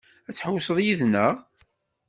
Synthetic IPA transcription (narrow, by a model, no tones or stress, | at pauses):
æt͡sːħəwsˤəðˤjiðnəʁ